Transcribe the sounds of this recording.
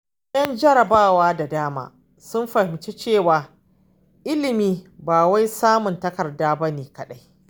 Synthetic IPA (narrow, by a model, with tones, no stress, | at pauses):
jɐ˦nd͡ʒɐ˦ɾɐ˨baː˦˨waː˦da˨daː˦ma̰ː˨ | sʊ˦mɸɐ˨hɪ˨mt͡ʃe˦t͡ʃeː˦˨waː˨ | ʔɪ˦lɪ˨miː˦baː˨wa˦jsaː˦mʊ˨ntɐ˦kɐ˨rdaː˦bɐ˦neː˨kɐ˨ɗa˦j